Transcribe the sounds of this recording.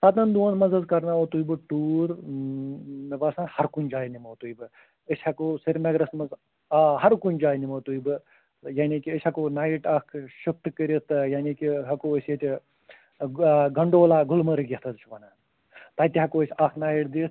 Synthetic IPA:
saːt̪ɐnd̪uɐnmɐzɐzkɐɾnaʋot̪ujibɨʈuːɾ | mʋɐsaːnhɐɾkunʲd͡ʒaːjnimɐːt̪uːjbɨ | əsʲhɐkosiɾmɐɡɾɐsmɐz | ɦɐɾkunʲd͡ʒaːjnimɐt̪ujbɨ | jaːnʲikiəsʲɐkoːnaːiʈaːkʰʃuk̚t̪ɨkəɾist̪ɨjaːnikiɦɐkoːəsʲet̪ʲi | ɡɐɳɖoːlaːɡulmɐɾɨɡʲet̪ʰɐzɨt͡ʃʰʋɐna | t̪aːt̪ʲiɦɐkoəsʲakʰnaːjiʈd̪iːt̪

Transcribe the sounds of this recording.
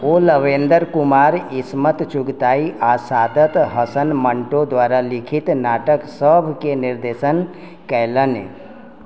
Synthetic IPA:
oləʋend̪əɾkumaːɾismət̪t͡ʃʊɡt̪aiʔasad̪ət̪ɦəsənməɳʈod̪ʋaɾalikʰit̪naːʈəksəbʱkeniɾd̪esən | kələnḛ

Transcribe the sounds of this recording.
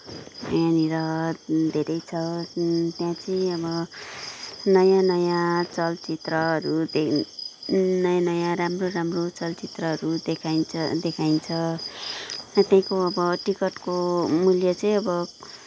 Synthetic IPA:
ʌ̰janiɾʌd̪ʱeɾʌjt͡sʰʌt̪jãt͡sʌĩʌbʌ | nʌjãnʌjãt͡sʌlt͡sit̪rʌɦʌɾud̪e | nʌjanʌjãɾamroɾamrot͡sʌlt͡sit̪rʌɦʌɾud̪ekʰajnt͡sʰʌd̪ekʰajnt͡sʰʌ | t̪jãĩkoʌbʌʈikʌʈkomuljʌt͡sʌ̃ĩʌbʌ

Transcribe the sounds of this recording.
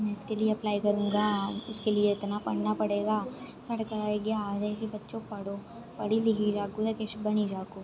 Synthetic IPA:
mɛ̃ɪskelieɐplaːikɐɾũːŋɡaːʊskelieɪt̪napɐɽ̤napɐɽeːɡaːsɐɽkɐɾaːeɡɐjaːd͡ʒakibɐtːʃõpɐɽoː | pɐɽilɪɡid͡ʒaːkud̪ekeʃbɐnid͡ʒaːkoː

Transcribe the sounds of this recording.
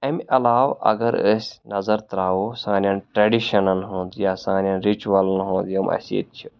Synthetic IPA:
ɐmɐlaːwɐ̰ɡɐɾəsʲnɐzɐɾt̪ɾaːwosãːnʲjanʈɾeɖiʃɐnɐnɦõːnd̪jaːsãːnʲjanɾit͡ʃuʋɐlɐnɦõːnd̪jɐmʔɐ̰sḭt̪̚t͡ʃʰi

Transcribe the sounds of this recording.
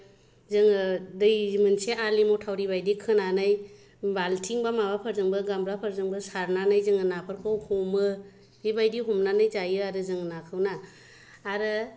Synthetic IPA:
zɯŋɯdɯjmɯnseʔalimɔtʰawɾiβajdikʰɯnanɯj | baltʰiŋbamaβapʰaɾzɯŋbɯɡamɾapʰaɾzɯŋbɯsaɾnanɯjzɯŋɯnapʰɯɾkʰɯwhɔmɯ | ɾibajdiɦɔmnanɯjzajɯaɾɯzɯŋɯnakʰɯwnaː | ɾɯ

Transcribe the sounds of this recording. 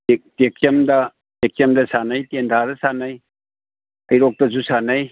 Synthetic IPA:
ek̚tekjɐmdɐ | tekɐmdɐsanɐjtendʱadɐsanɐj | ɐjɾok̚tɐzusanɐj

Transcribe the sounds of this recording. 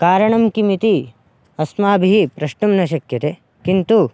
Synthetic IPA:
kaːɾɐɳɐmkimit̪i | ɐsmaːbʱiɦipɾɐʂʈumnɐʃ̬ɐkjɐt̪e | kint̪u

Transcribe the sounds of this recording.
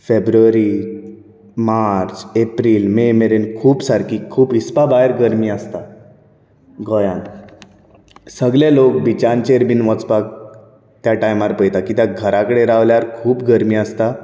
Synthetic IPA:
febɾuəɾi | maɾt͡sepɾiːlmemeɾenkʰuːbsaɾkiːkʰuːbispabaeɾɡəɾmiːəst̪a | ɡɔjãn | səɡlelokbit͡ɕant͡ɕeɾbinʋɔ̃t͡spak̚ | t̪jaʈajmaɾpəjt̪akit̪jaɡʱəɾãkəɽeɾaʋljaɾkʰuːpɡəɾmiːəst̪a

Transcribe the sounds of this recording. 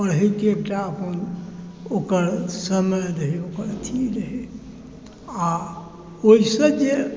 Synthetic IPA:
pəɽɦekeekʈaəpən | okəɾsəməjɾəɦeokəɾt̪ʰiɾəɦe | a | oɦisə̃d͡ʒe

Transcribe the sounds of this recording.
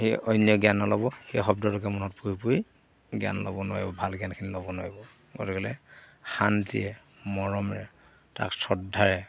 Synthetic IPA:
heɔjnijɔɡjanɔlɔbɔhexɔbdɔlʊkɛmunɔtpuɹipui | ɡia̰nlɔ̰bɔnʊwa̰ɹibɔbʱalɡiankʰinilɔbɔnwa̰ɹibɔ | ɡɔ̰tɛkɛlɛ̰xantḭɛ | mɔɹɔmɹɛ | ta̰ksɔdʱːaɹɛ

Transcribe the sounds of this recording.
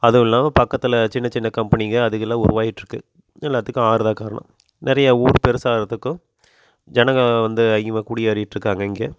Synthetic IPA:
ɐðɯʋɛlːãːpɐkːɐt̪ːɯlɐt͡ʃɪnːɐt͡ʃɪnːɐkɐmpɐnɪɣɐɐðɯɣɐlːãːʊɾʊ̰ʋaːjɪʈːɾɯkːɯ | nɛlːaːt̪ːɯkːɯ̃aːɾɯðãːkaːɾɐ̰ɳɐ̰̃m | nɪɾɐjɐuːɾpɛɾɯsaːɾɐt̪ːɯkːʊ̃ | d͡ʒɛnɐŋɣɡɐʋɐnd̪ɯɐɪmɐkʊɽɪjaːɾɪjɪʈːɾɯkːaːŋɡɐɪŋɡeː

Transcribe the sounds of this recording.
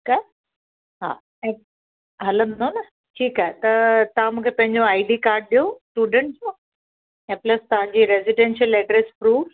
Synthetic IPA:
ikaɦe | ɦa̰ː | ɛ̃ | ɦɐlə̃nnonɐ | ʈʰiːkaɦɛt̪ɐt̪ɐʋãmũːkʰepɐ̃ɦɪ̃ɲd͡ʑõaːiɖiːkaːɾɖ̚ɗijosʈuːɖə̃ɳʈsã | ɛ̃ːplɐst̪ɐʋ̤ãɲd͡ʑiːɾeziɖẽnʃəlɛːʈɾespɾuːv

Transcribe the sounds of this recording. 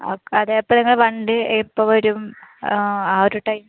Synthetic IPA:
okːeɐðeːjɐpːoniŋːɐɭʋɐɳɖɨepːoʋoɾum | aːɾuʈːɐjm

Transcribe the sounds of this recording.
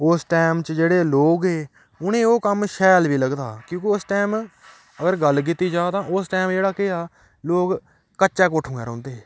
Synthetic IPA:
ʊsʈɛːmt͡ʃəd͡ʒeːɽeːloːɡɦeː | ʊnẽːoːkəmʃɛːlʋiːləɡd̪aːkjõːkeʊsʈɛːm | əɡəɾɡəlːk̬ɪt̪ːiːd͡ʒaːt̪ãːʊsʈɛːmd͡ʒeːɽaːkɪaː | loːk | kəːt͡ʃɛːk̬oʈʰːũːɛːɾõ̰ːnd̪eɛː

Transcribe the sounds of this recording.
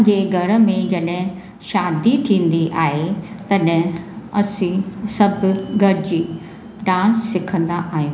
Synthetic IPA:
d͡ʑeːɡʱɐɾə̆mẽd͡ʑɐɗɪ̃ | ʃaːd̪it̪ʰĩːn̆d̪iʔaːɦet̪ɐɗ̃ɐsĩsɐbʱʊɡʱɐɾɪd͡ʑiː | ɖãːnsːɪkʰə̃nd̪aʔaːɦijoː

